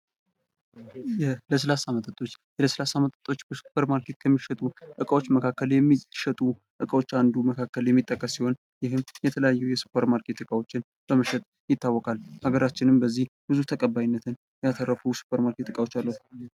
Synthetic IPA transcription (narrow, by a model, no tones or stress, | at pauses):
jɛləs̬əlasamət̪ʰʼət̪ʼo̞t͡ʃːjɛləsəlasamət̪ʼət̪ʼo̞t͡ʃːbəsu̥pʰəɾmaɾkʰe̞t̪kʰəmːiʃət̪ʼuʔɨkʼəwo̞t͡ʃːməkʰakːəljɛmːiʃət̪ʼu | ʔɨkʼəwo̞t͡ʃːand̪uməkʰakːəljɛmːit̪ʼːəkʼːəsːiho̞n | jɪhɨmjɛt̪ʰələjajːujɛsu̥pːəɾmaɾkʰe̞t̪ɨkʼawo̞t͡ʃːɪn | b̥əməʃɛt̪ʼ | jɪt̪ʰːawːɔkʼalhaɡəɾat͡ʃːɪnɨmbəzːihbɨzut̪ʰəkʼəbːajinːət̪ʰɨn | jɛat̪ʰərːəfusu̥pːəɾmaɾkʰe̞t̪ɨkʼawo̞t͡ʃːalːəhu